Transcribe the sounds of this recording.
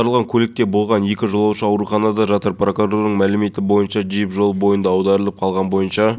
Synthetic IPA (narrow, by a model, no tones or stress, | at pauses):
ɑɾəlˠʁɑŋkʲʰɵlɪk̚t̪e̞bo̞lˠʁɑnje̞kʲɪʒolˠɑwʃəɑwɾuχɑnɑd̪ɑʒɑt̪əɾpro̞kuroɾd̪əɴmælɪme̞t̪ɪbo̞jənʃɑʒijɪpʒo̞lˠbo̞jənd̪ɑːwd̪ɑɾəlˠəp̚qʰɑlˠʁɑnbo̞jənʃɑ